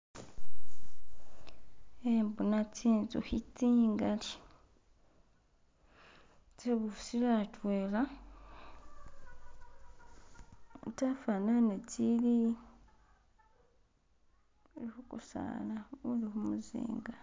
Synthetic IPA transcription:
embunatiːnzṵhitːiːŋɡali | teβusilatweːla | tafananetili | ihukusa̰ːnaulihumuzḭːŋɡa

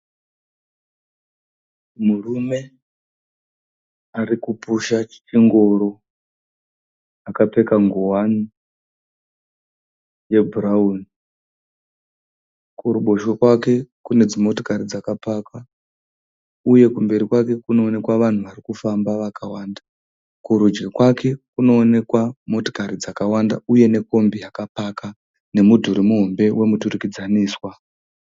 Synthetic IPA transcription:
murume̞ | arikupuʃat͡ʃi̥t͡ʃiŋɡo̞ɾo̞ | akape̞kaŋɡowani | je̞bʱuɾauni | kuɾuɓo̞ʃo̞kwake̞kune̞d͡zimo̞to̥kaɾid͡zakapaka | uje̞kumbe̞ɾikwake̞kuno̞ːne̞kwaʋan̤uʋarikufambaʋakawaːnda | kuɾud͡ʒɡikwake̞kuno̞ːne̞kwamo̞to̞̥kaɾid͡zakawanda̰uje̞ne̞ko̞mbijakapaka | ne̞mudʱuɾimuɦo̞mbe̞wʔe̞mutuɾikid͡zaniːswa

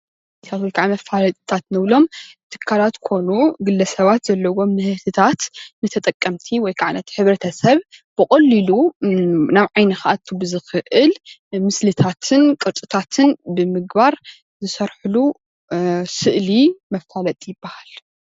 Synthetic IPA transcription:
t̪ʰat̪wɔjkʰaʕimɐfalɐt̪ʼt̪ʰat̪nɨβlo̞mt̪ʰɨ̥kʰːalat̪kʰo̞nuɡɨlːɐsɐβat̪zɐlːɐwo̞mːɨhɨt̪ʰɨt̪ʰat̪nɨt̪ʰɐt̪ʼɐkʼːɐmt̪ʰiwɔjkʰaʕnɐt̪ʰħɨβɾɐt̪ʰɐsɐβb̥ɨkʼɐlːilu | naβʕajnɐxaʔat̪ʰubɨzɨxɨʔɨlmɨslɨt̪ʰat̪ʰɨnkʼɨɾt̪ʼɨt̪ʰat̪ʰɨnbɨmɨɡbaɾ | zɨsɐɾħulu | sɨʔlimɐft̪ʰalɐt̪ʼijɪbːahal

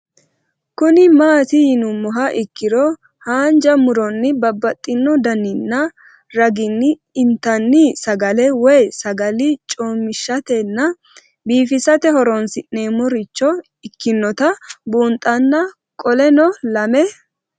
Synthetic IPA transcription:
kʊnɪmaːt̪ɪjɪnʊmːɔɦɐʔɪkːɪɾɔ | haːnd͡ʒɐmʊɾɔnːɪbɐbːɐt̪ʼːɪnːɔd̪ɐnɪnːɐ | ɾɐɡɪnːɪ | ɪnt̪ɐnːɪsɐɡɐlɛwɛjsɐɡɐlɪt͡ʃʼoːmːɪʃːɐt̪ɛnːɐ | biːfɪsɐt̪ɛhɔɾɔnsɪʔne̞ːmːɔɾɪt͡ʃːɔ | ɪkːɪnːɔt̪ɐbuːnt̪ʼɐnːɐ | kʼɔlɛnɔlɐmɛ

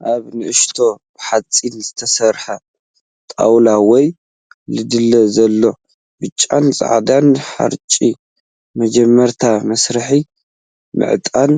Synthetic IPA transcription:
ʔaβnɨʔɨʃt̪ʰo̞bɨħat͡sʼinzɨt̪ʰɐsɐɾħa | t̪ʼa̰wlawɔj | lɨd̪ɨlːɐzɐlːo̞ | bɨt͡ʃʼːa̰nt͡sʼa̰ʕd̪anħa̰ɾt͡ʃʼi | mɐd͡ʒɛmːɐɾt̪ʰamɐsɾɨħi | mɨ̰ʕt̪ʼan

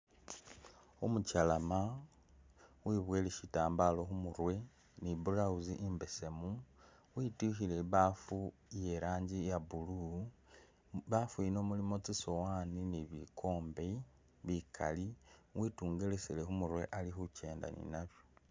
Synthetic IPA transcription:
umucalama | wiːβwe̞ːleʃitaːmbalo̞xumuɾwe̞ | nibuɾauziʔimbe̞se̞mu | wituxile̞βafuje̞ɾaːɲɟijabulu | βafuino̞mulimo̞t͡sisowaːniniβikʰo̞ːmbe | βikʰa̰liwʔiːtuːŋɡe̞le̞selexumuɾwe̞̰ʔalixuce̞ːnda̰nḭnaβjo

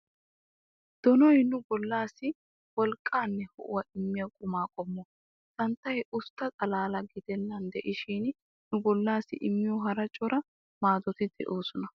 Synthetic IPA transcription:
d̪̥ɔnɔjnʊbɔlːaːsːɪ | wɔlkʼːaːnːɛhɔ̰ʔʊ̰wɐʔɪmːɪjɐkʼʊmaːkʼɔmːɔ | t̪ɐnt̪ːɐjɛʔʊst̪ːɐt̪ʼɐlaːlɐɡɪd̪ɛnːɐnd̪ɛʔɪʃiːn | nʊbɔlːaːsɪʔɪmːɪjɔɦɐɾɐt͡ʃʼːɔɾɐ | maːd̪ɔt̪ɪd̪ɛ̰ʔoːsɔnɐ

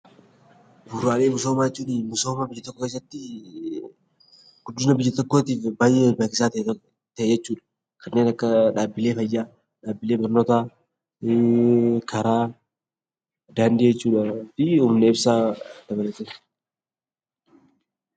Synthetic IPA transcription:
bʊɾaːleːmʊsoːmaːd͡ʒɛt͡ʃːuːnɪmʊso̞ːmabɪjːɐt̪ɔkːoke̞ːs̬ːɐt̪ːɪ | ɡ̥ʊd̪ːɪnɐbɪjːɐt̪ɔkːo̞ːt̪iːfbaːjʔɛbaːkɪsaːt̪ɐ | t̪ɐʔɛd͡ʒɛt͡ʃːuːᶑɐ̥ | kʰɐnːeːnɐkːɐᶑaːbːɪle̞ːfɐjːaː | ᶑaːbːɪle̞ːbɐɾnoːt̪aː | kʰɐɾaː | d̪aːnd̪ɪd͡ʒɛt͡ʃːuːᶑɐfɪuːmneɪbsaːd̪̥ɐbɐlɐt̪ɛn

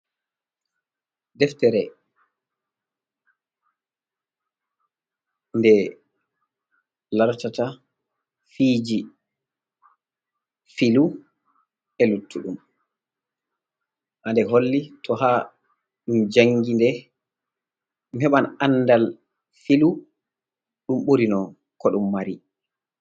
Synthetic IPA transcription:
dɛftɛɾɛ | ndɛ | laɾtata | fiːd͡ʒi | filu | ɛlutʰːuɗum | ʔandɛɦolːitʰɔha | ɗumd͡ʒaŋɡindɛ | mɛɓananːdal | filu | ɗumɓuɾinɔ | kɔɗumːaɾi

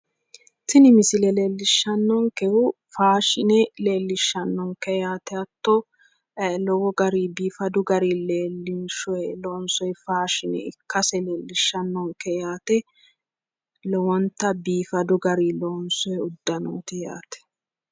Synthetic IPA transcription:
t̪ɪnɪmɪsɪlɛleːlːɪʃːɐnːɔŋkɛwʊ | faːʃɪnɛle̞ːlːɪʃːɐnːɔŋkɛjaːt̪ɛɐt̪ːɔ | lɔwɔɡɐɾibiːfɐd̪ʊɡɐɾileːlːɪnʃɔjloːnsɔjfaːʃɪnɛ̰ɪkːɐsɛle̞ːlːɪʃːɐnːɔŋkɛjaːt̪ɛ | lɔwɔnt̪ːɐbiːfɐd̪ʊɡɐɾiloːnsɔjʊd̪ːɐno̰ːt̪ɪja̰ːt̪ɛ̥

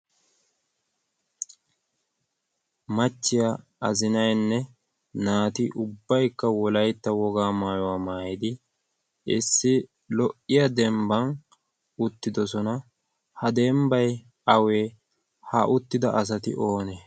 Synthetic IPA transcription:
mɐt͡ʃːɪjɐ | ɐzɪnɐjnːɛ | naːt̪ɪʔʊbːɐjkːɐwɔlɐjt̪ːɐwɔɡaːmaːjɔwaːmaːjɪd̪ɪ | ɪsːɪ | lɔʔɪjɐd̪ɛmbɐn | ʊt̪ːɪd̪ɔsɔnɐ | hɐd̪ɛmbɐj | ɐwe̞ː | hɐʔʊt̪ːɪd̪ɐʔɐs̬ɐt̪ɪ̰ʔo̞ːne

